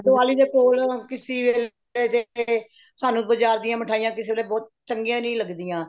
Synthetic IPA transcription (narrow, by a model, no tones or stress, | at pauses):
d̪ʊaːliːd̪eːkoːlkɪsiːʋeːl | eːt̪e | saːnũːbəd͡ʒaːɾd̪ijãːməʈʰaːijãːkɪseːeːleːbɔːt̪̚t͡ʃəŋɡjãːnĩːləɡd̪ijãː